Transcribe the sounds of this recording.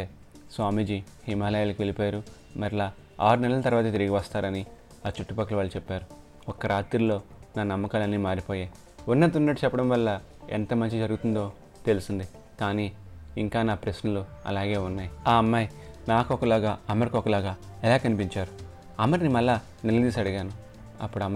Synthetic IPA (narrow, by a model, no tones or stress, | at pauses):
e | sʋaːmid͡ʒihimaːlɐjɐlɐkiʋelipoːjɾu | mɐɾilaː | aːɾunɛlɐlɐt̪ɐɾʋaːt̪ɐt̪̬iɾiɡiʋɐst̪aːɾɐni | aːt͡ʃuʈːupɐkːɐlɐʋaːɭːɐt͡ʃɛpːaːɾu | ɔkːɐɾʔaːt̪ɾulo̞ːnaːnɐmːɐkaːlɐnːiːmaːɾipoːjaj | unːɐd̪unːɐʈːut͡ʃɛpːɐɽɐmʋɐlːɐ | ḛnt̪ɐmɐɲt͡ʃid͡ʒɐɾuɡut̪und̪o̞ː | t̪e̞lusind̪i | kaːniːiŋkaːnaːpɾesnɐluɐ̰laːɡe̞ːunːaːjiaːɐmːaːjnaːkɔkɐlaːɡaːɐmɐɾikɔkːɐlaːɡaː | ɛlaːkɐnipiɲt͡ʃaːɾu | ɐmːɐɾnimɐlːaː | nɛlɐd̪iːs̬ɐɽiɡaːnu | ɐ̰pːuɽɐmː